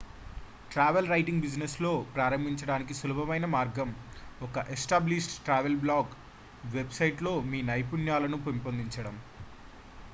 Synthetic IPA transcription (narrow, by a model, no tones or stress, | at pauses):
ʈɾaːʋelɾɐjʈiŋɡbid͡ʒneslo̞ːpɾaːɾɐmbʱiɲt͡ʃɐɽaːnik̬isulɐbʱɐmɐjnɐmaːɾɡɐmɔkɐʔesʈaːbliʂʈʈɾaːʋelblaːɡ | ʋe̞bsɐjʈlo̞ːmiːnɐjpunjaːlɐnupomipond̪iɲt͡ʃɐɽɐm